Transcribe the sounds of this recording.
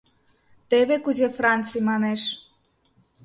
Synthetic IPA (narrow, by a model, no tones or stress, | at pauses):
t̪eβekuzefrɑnt͡sijmɑneʃ